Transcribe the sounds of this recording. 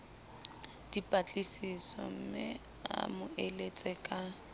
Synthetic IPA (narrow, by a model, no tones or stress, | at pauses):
d̥ipʼat͡ɬʼisisɔ̰m̩mɪ | a̰mʊʔelet͡sʼɛkʼa